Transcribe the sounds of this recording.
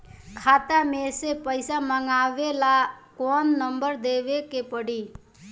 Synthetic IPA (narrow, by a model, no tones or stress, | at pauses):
kʰat̪amesepəjsaməŋaʋelakonːəmbəɾd̪eβekepəɽi